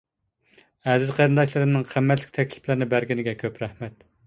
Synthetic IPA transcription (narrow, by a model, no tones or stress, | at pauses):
ɛzɪzqʰæɾɨnd̪ɑʃlˠɨɾɨmnɨŋqʰæmːɛt̪lɪ̥kʲt̪ʰɛkʲlɪ̥plɪɾnɪbæɾɡʲinɪɡʲɛkʲʰøpɾɛhmɛt̪